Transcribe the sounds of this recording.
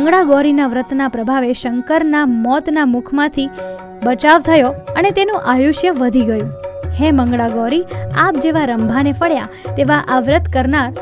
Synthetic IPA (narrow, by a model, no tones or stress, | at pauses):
əŋɡɭaɡɔɾinaʋɾət̪napɾəbʱaʋeʃəŋkəɾnamɔt̪namʊkʰmãt̪ʰi | bət͡ʃaʋt̪ʰəjoənet̪enũʔajuʃjəʋəd̪ʱiɡəjũhɛ̃məŋɡɭaɡɔɾiap̚d͡ʒeʋaɾəmbʱanefəɽja | t̪eʋaʔaʋɾət̪kəɾnaɾ